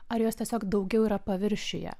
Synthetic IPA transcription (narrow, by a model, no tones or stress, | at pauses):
ɐɾjoːst̪ʲiɛsʲoːkd̪ɒʊɡʲɛʊiːɾɐpɐʋʲɪɾʲʃʲɪjɛ̰